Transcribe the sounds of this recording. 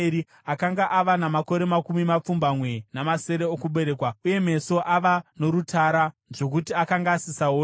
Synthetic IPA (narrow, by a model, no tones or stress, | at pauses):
ɾi | akaŋɡaʔaʋanamako̞ɾe̞makumimap͡fumbamwe̞namase̞ɾe̞okuɓe̞ɾekwauje̞me̞so̞ʔaʋano̞ɾutʰaɾaʐo̞k̬utiakaŋɡaːsisao